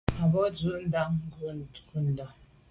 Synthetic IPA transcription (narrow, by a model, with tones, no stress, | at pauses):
a˨bɔ˦d͡zu˨ʔn̩˦da˦ŋ˦ɡu˦˨ɡu˦˨n̩˨dɔ˨